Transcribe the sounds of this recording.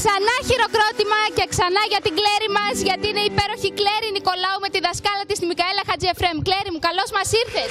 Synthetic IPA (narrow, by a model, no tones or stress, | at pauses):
ksɐnɐçiɾo̞kɾo̞t̪imɐce̞ksɐnɐʝɐt̪iɡle̞ɾimɐzʝɐt̪iineipe̞ɾo̞çikle̞ɾiniko̞lɐume̞t̪iðɐskɐlɐt̪ist̪imikɐelɐxɐt͡sie̞fɾe̞mkleɾimukɐlo̞zmɐsiɾθes